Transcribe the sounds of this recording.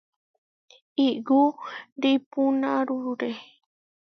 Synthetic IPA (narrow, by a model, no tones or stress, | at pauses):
iɡuɾipunãɾuɾuɾe